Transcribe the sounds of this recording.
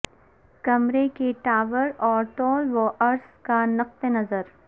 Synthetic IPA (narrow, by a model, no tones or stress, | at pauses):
kɐmɾekeʈaːʋəɾɔːɾʈɔːlʋoʔɐɾskanɐq̚t̪enɐzəɾ